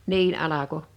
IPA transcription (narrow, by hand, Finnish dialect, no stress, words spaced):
niːn ʔɑlɑko